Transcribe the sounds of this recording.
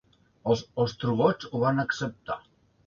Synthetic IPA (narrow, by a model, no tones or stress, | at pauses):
osost̪ɾuɣɔt͡ʃuβanaksep̚t̪a